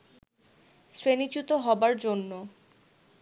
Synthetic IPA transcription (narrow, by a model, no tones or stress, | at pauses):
sɾenit͡ɕut̪oɦɔbaɾd͡ʑonːo